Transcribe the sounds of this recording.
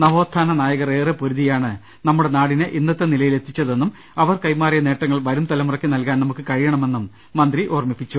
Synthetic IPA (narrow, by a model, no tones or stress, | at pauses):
nɐʋo̞ːt̪ʰːaːnɐnaːjɐɣɐreːrɨpoɾuðijaːɳɨ | nɐmːuɽe̞naːɽinɨʔinːɐt̪ːe̞nilɐjile̞t̪ʰːit͡ɕːɐðe̞nːum | ɐʋɐrkɐjmaːrijɐne̞ːʈːɐŋːɐɭʋɐɾumt̪ɐlɐmurɐkʲːinɐlkaːnɐmukːɨkɐɻijɐɳɐme̞nːumː | ɐnd̪riʔoːrmipːit͡ɕːu